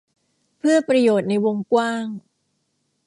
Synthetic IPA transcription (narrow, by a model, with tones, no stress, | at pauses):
pʰɯ˥˩ɐpɾa˧joː˨˩t̪̚na˧jwo˧ŋkwaː˥˩ŋ